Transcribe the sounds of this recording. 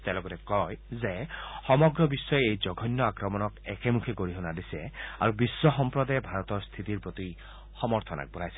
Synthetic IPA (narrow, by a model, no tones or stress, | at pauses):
t̪elɔɡɔɾekɔjzexɔmɔɡɾɔbisːɔjeejd͡ʒɔɡʱɔnːɔakɾɔmɔnɔkekemukʰiɡoɾiɦɔnad̪isea̰ɾubisːɔxɔmpɾɔd̪ajebʱaɾɔt̪ɔɾst̪ʰit̪iɾpɾot̪i | xɔmɔɾt̪ʰɔna̰k̚bɔɾ̤ajse̥